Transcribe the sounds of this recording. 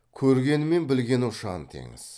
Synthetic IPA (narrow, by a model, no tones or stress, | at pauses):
kʲʰɵɾɡʲe̞nɪme̞nbɪlɡʲe̞nʊʃɑnt̪ʰḛŋɪ̰z̥